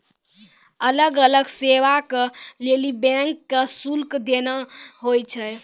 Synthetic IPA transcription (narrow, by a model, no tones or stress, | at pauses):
ələɡələɡseʋakelelibɛ̃ŋkːesulkd̪enəɦojt͡ʃʰɛ